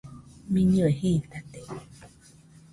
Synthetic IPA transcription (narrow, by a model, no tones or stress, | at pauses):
mĩɲũehit̪at̪e